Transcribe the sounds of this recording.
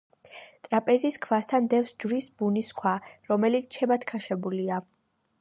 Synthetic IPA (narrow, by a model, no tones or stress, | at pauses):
t̪ʼɾapʼɛziskʰvast̪ʰand̪ɛfsd͡ʒvɾisbuniskʰwaɾɔmɛlit̪sʰt͡ʃʰɛbat̪ʰkʰaʃɛbulia